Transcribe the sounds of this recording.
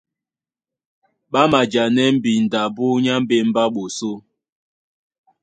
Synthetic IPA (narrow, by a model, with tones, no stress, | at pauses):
ɓa˦ma˨d͡ʒa˨nɛ˦m̩˦bi˨n̩˨da˨bu˦ɲa˦m̩˦be˦m̩˦ba˦ɓo˨so˦